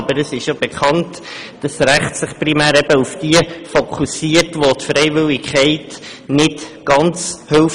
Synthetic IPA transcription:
bəɾəsɪʃjob̥ekʰχɑnt | d̥ɑsɾæχtsɪχprimæːɾɛbəufd̥iəfokʰusiətʋotfɾɛɪvɪlɪkχɛɪt | nɪtɡ̥ɑnt͡shølf

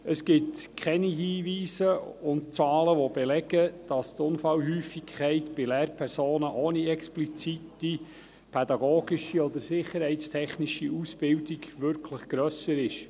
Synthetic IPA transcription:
əsɡ̥ɪtkʰɛniɦiːʋiːsəʊntt͡sɑːləʋobɛlɛɡ̥əd̥ɑst̪ʊnfɑlɦyːfikʰχɛɪtb̥ɪlɛːɾpʰɛɾsoːnəʔoːniɛksplit͡siti | pʰɛd̪ɑɡoːɡiʃiɔd̪əɾsɪχːəɾhɛɪtstʰɛχniʃiusb̥ɪldiɡʋʏɾkʰləχɡ̥ɾœsəɾɪʃ

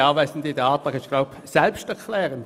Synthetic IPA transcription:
ɑːvɛsn̩d̪idɑːt̪ɑɡɪʃɡ̥laʊp | sɛlpʃtɛʁkʰlɛːʁən

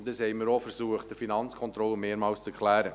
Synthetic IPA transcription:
d̥̪əshɛɪməɾofəɾsuəχtd̥̪əfinɑnt͡skʰɔnt̪ɾɔlːəmeːɾmɑːlst͡səkʰlæːɾə

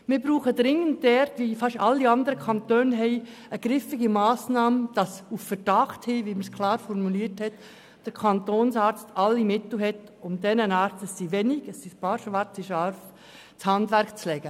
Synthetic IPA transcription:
mɪɾbɾuːχədɾɪŋːəntdɛɾtʋifɑʃɑlːiɑndəɾəkʰɑnt̪øːnɦɛɪəɡ̥ɾɪfɪɡimɑːsnɑːmd̥ɑsuffəɾd̥ɑχthiːʋiməskʰlɑːɾfɔrmuliːərthɛt | d̥əɾkʰɑntoːnsɑːɾt͡stʰɑlːimɪtl̩ɦɛtʊmdɛnənɑːɾt͡stəsːiʋɛnɪɡəsːispɑːɾʃʋɑɾt͡siʃɑɾf | t͡shɑndʋæɾkt͡slɛɡ̥ə

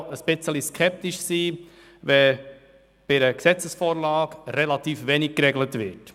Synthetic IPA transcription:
əsb̥ɪt͡səliskʰɛp̚t̪iʃsiː | vɛ | b̥ɪɾəksɛt͡səsfoːɾlɑːɡɾɛlɑt̪iːfʋeːnik̚kɾɛɡlətvɪt

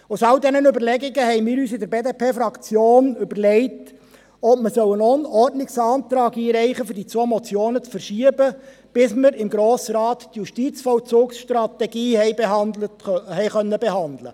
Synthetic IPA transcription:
ʊsɑwdɛnənybəɾlɛɡɪɡəhɛɪmɪːɾyːsɪdəɾbeːdepʰeːfɾɑkt͡sjoːnʏbəɾlɛɪt | ɔpməsœwənɔənɔrdnɪksɑːnt̪ɾɑːɡiːɾɛɪχəfʏdit͡somɔt͡sjoːnət͡sfəɾʃiəbə | b̥ɪsməɾɪmɡɾoːsɾɑːttjuʃtiːt͡sfɔwt͡suːksʃtɾɑt̪ɛɡiːhɛɪbeɦɑndləthɛɪχœnːəbeɛhɑnd̪lə̰

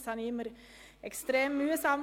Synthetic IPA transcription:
shɑniːməɾ | ʔɛkst̪ɾeːmʉːɛsɑːm

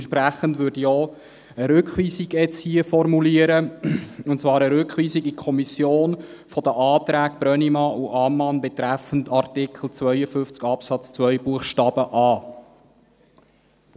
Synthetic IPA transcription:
nʃpɾæχəndʋʏdijɔ | əɾʏkχʋiːsiɡɛt͡shiəfɔrmuliəɾəʊntt͡svɑːɾəɾʏkχʋiːsiɡikʰɔmisjoːn | fɔd̥̪əʔɑːt̪ɾæːk̚b̥ɾœnimɑʔuʔɑmːɑnbɛt̪ɾæfən̩tɑrtɪkχl̩t͡sʋœjəfʏft͡skɑpsɑt͡st͡sʋœjbuəχʃtɑːb̥əʔɑː

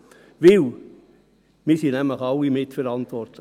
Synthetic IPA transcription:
ʋɪl | mɪsinæmləχɑlːimɪtfəɾɑntvɔrtlə

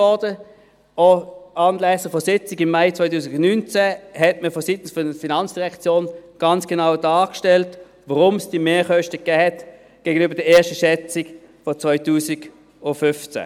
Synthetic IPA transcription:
ɔdə | oɑːnlɛsəfɔsɪt͡sɪɡɪmːaɪt͡sʋaɪtuːsɪɡʊnnynt͡sɛhɛtməfɔsitn̩sfɔəfinɑnt͡sd̥iʁɛkt͡sjoːnɡ̥ɑnt͡sɡ̥enaʊdɑːkʃtɛlt | ʋaʁʊmsd̥imeːχœʃtəkɡɛːhɛt | ɡ̥eːɡ̥ənyːbəd̥əeːɐʃtəʃɛt͡sɪk | fɔt͡sʋɔʏtuːsɪɡ | ʊnfʏft͡sɛ̰

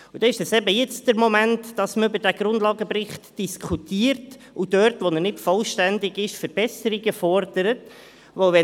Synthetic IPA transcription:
ud̥ɛɪʃdɛsɛbəjɪt͡sd̥əɾmɔmæntd̥ɑsməʏbəɾdæɡ̥ɾʊndlɑːɡəprɪχtd̥iskʰutiːəɾt | ud̥œɾtʋonənɪtfɔlʃtændɪɡɪʃfəɾb̥ɛsəɾiɡəfɔɾd̥əɾət | ʋovɛ

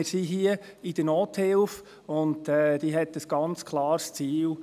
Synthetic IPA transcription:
ɪɾsiɦiə | ɪd̥ənoːthɪlf | ʊndɛːd̥̪iːɦɛt̪əsɡ̥ɑnt͡skʰlɑːɾst͡siːl

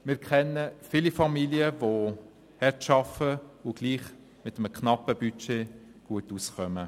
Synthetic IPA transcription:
mɪːɾkʰχɛnːəfɪlifɑmiliəvo | hɛtʃɑfəʊɡ̥liːχ | mɪt̪əmkχnɑpəbyt͡ʃeːɡ̥uətusχœmə

